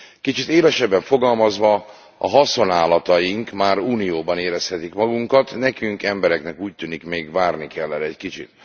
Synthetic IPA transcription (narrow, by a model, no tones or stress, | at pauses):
kit͡ʃit̪eːlɛʃɛbːɛɱfo̞ɡɒlmɒzʋɒ | ɒɦɒso̞naːlɒt̪ɒjiŋkmaːɾuːnijoːbɒneːɾɛshɛt̪ikmɒɡuŋkɒt̪nɛkyŋkɛmbɛɾɛknɛkuːc̚t̪yːnikmeːɡvaːrnikɛlːɛɾɛɛckit͡ʃḭt̪